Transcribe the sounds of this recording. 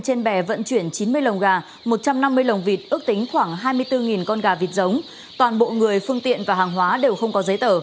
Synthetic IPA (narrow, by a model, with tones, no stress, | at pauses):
t͡ɕe˧nɓɛ˧˩və̰˧˨nt͡ɕwi˧˩ənt͡ɕi˨˦nmɨ˧əjlə˨˩wŋ͡mɣaː˨˩ | mo˨˩t̚t͡ɕa˧mna˧mːɨ˧əjlə˨˩wŋ͡mvi˨˩t̚ʔɨ˦˥ək̚t̪ï˨˦ŋ̟xwaː˧˩ŋɦaː˧jmɨ˧əjt̪ɨ˧ŋi˨˩nkɔ˧nɣaː˨˩vi˨˩t̚zə˨˦wŋ͡m | t̪waː˨˩nɓo̰˧˨ŋɨ˨˩əjfɨ˧əŋt̪ḭ˧˨ənvaː˨˩haː˨˩ŋɦwaː˨˦ɗe˨˩wxə˧wŋ͡mkɔ˨˦zə˨˦jt̪əː˧˩